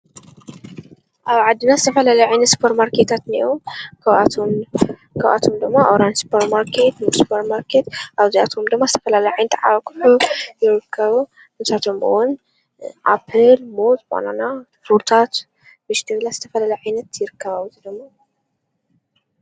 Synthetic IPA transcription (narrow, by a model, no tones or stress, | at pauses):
ʔaβʕad̪ːɨnazɨt̪ʰɐfɐlalɐjʕajnɐt̪su̥pʰɐɾmaɾkʰet̪ʰat̪niʔokɐβat̪ʰo | kʰɐβʔa̰t̪ʰo̞md̪ɨɡmːaʔoɾansu̥pʰɐɾmaɾkʰet̪mɨsu̥pʰɐɾmaɾkʰet̪ʔaβzia̰t̪ʰo̞md̪ɨɡmːazɨt̪ʰɐ̥fɐlalɐjʕajnɐt̪ʕaβkʰɨ̥ħujɪɾɨkʰːɐβu | nɨsat̪ʰo̞mɨ̰wʊn | ʔapʰɨlmot̪mo̰nana | fuɾt̪ʰat̪ | mɨʃt̪ʰiβlazɨt̪ʰɐfɐlalɐjʕajnɐt̪jɪɾɨkʰːɐβawzɨd̪ɨmːa